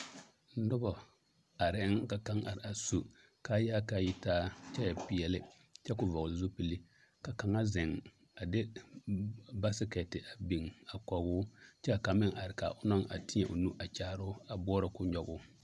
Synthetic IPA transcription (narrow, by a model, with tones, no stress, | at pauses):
nʊ˦bɔ˨ | a˨ɾɪ˦ŋka˨ka˦ŋʔa˨ɾɪ˨a˨su˨ | ka˦jaː˦ka˨ji˦taː˦t͡ʃɛ˦ja˨pi˨jɛ˨lɪ˦ | t͡ʃɛ˦kʊ˨vɔ˨lzu˦pi˨li˦ | ka˨ka˨ŋa˦zɪ˨ŋ | a˨dɪ˦ | ba˦sɪ˦kɛ˨tɪ˨ʔa˨bi˨ŋa˨kɔ˨ɡʊ˦t͡ʃɛ˦˨ka˨mɪ˦ŋʔa˨ɾɪ˨ka̰˨ʔʊ˦nɔ˦ŋa̰˨tɪ˦ɲɛ˨ʔʊ̰˨nu˦ʔa˨t͡ʃaː˦ɾʊ˦a˨bɔː˦ɾa˨kʊ˦ɲɔ˦ɡʊ˦